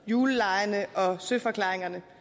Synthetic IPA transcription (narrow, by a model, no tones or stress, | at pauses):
juːləlɑ̈ɪənəʔɒ̽søfɒ̽kʰlɑ̈ːʁeŋɐnə